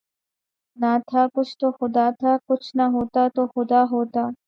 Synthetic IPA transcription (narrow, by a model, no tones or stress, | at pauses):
nat̪ʰakʊt͡ʃʰt̪oxod̪at̪ʰakʊt͡ʃʰnaɦot̪at̪oxod̪aɦot̪a